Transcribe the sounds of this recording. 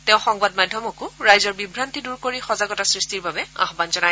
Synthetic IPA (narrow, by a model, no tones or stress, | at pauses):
tɛʊ̃xɔŋbadmadʱːɔmɔkʊɹajzɔɹbibʱɹantiduɹkoɹixɔzaɡɔtasɹistiɹbabɛa̰xbanzɔnaj